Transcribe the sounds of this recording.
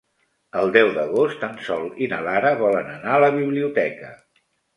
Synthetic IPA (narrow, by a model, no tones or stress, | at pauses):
əlˠd̪ɛwðəɣost̪ansɔlˠinə̰laɾəβɔlənənaələβiβliut̪ɛkə